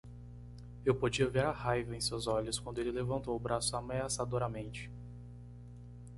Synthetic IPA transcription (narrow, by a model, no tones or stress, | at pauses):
ewpod͡ʒiɐveɾɐhajvɐẽj̃sewzɔʎʊskwɐ̃nd̪ʊelɪlevɐ̃nt̪owʊbɾasʊameasad̪oɾɐmẽnt͡ʃɪ̥